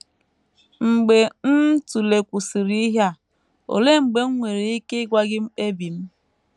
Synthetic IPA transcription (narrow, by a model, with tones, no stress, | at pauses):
ŋ͡m̩˨ɡ͡be˨n̩˦tu˨le˨kʷu˨si˨ɾi˦ɦja˦˨ | o̰˨le˦ŋ͡m̩˨ɡ͡be˨˦ŋ̩˦ŋʷe˨ɾi˨i˦ke˦ɡʷa˦ɡɪ˦m̩˦e˦bi˨m̩˦